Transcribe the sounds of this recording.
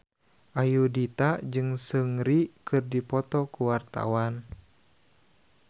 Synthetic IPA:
ʔajudit̪ad͡ʒɨŋsəŋɾikɨrdipɔt̪ɔkuwart̪a̰wan

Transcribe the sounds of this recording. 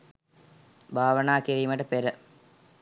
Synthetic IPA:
bʱaːʋənaːkiɾiːmɐʈəpeɾə

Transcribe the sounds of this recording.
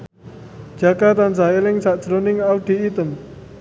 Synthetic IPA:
d͡ʒ̥akat̪ansaelɪŋsaʔd̥ʒ̥ɾonɪŋawɖ̪̥i̤it̪ən

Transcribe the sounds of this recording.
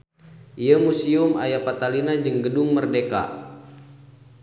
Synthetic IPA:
ʔiəmusiuma̰japat̪alinad͡ʒəŋɡədʊŋmərdeka̰

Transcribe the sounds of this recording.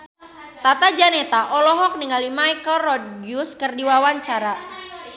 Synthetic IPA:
t̪at̪ad͡ʒanet̪aʔɔlɔɦɔk̚niŋalimaikɔrɔd̚ɡjuskərdiwawaɲt͡ʃaɾa

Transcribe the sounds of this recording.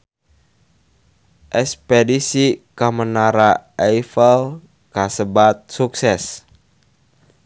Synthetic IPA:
ʔɛspedisikamənaɾaʔɛifəl | kasəbat̪̚suksɛs

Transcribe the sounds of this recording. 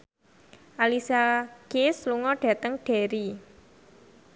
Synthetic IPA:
ʔalisakesluŋɔɖ̥ä̤t̪əŋɖ̥e̤ɾi

